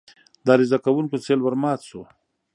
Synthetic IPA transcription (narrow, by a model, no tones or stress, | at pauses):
d̪aːɾizakawuŋkot͡selwaɾmɑːt̪so